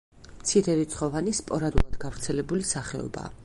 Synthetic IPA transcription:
mt̪sʰiɾɛɾit̪sʰχɔvanispʼɔɾad̪ulˠad̪ɡavɾt̪sʰɛlɛbulisaχɛɔ̰ba̰ː

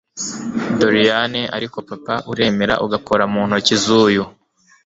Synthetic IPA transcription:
doɾijaneʔa̰ɾiko̞papaʔuɾe̞ːme̞ɾa̰ʔuɡapʰoɾamuːn̥hucizuːju

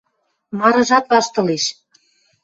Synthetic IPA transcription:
mɑɾɤ̆ʒɑt̪βɑʃt̪ɤ̆leʃ

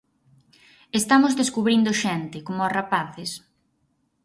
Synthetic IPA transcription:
est̪amozðeskuβɾind̪oʃɛnt̪ɪkomʊasrapaθɪs

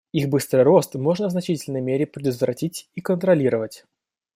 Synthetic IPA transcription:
ixbɨst̪ɾɨjro̞st̪mo̞ʐnəvznɐt͡ɕitʲɪlʲnəjmʲeɾʲɪpɾʲɪd̪ət̪vɾɐtʲitʲikənt̪ɾɐlʲiɾəvətʲ

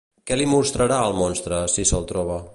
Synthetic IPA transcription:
kɛlimust̪ɾəɾaəlˠmɔnst̪ɾəsisəlˠt̪ɾɔβ̞ə

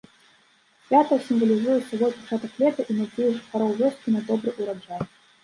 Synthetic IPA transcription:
pʲat̪əjɐsʲimvɐlʲizujɛt̪sɐvɔjpɐt͡ʂat̪ɐklʲɛt̪ɐʔinɐjt̪ʲijɛʐɨpɐɾɔwvʲɔskʲinɐd̪ɔbɾɨʔuɾɐʐaj

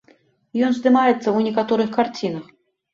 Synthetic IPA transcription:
jonzd̪ɨmajɪt̪səunʲɪkat̪oɾɨxkɐrt͡sʲinəx

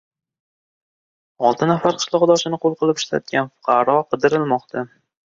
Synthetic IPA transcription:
ɒlˠt̪ʰɪnafaɾqʰɨ̥ʃlˠɒʁd̪ɒʃɪnɪqolˠqʰɨlˠɪpɪ̥ʃla̰t̪̚ɡʲanfʊ̥qʰɑɾɒqʰɨd̪ɪɾɪlmɒqt̪ʰa

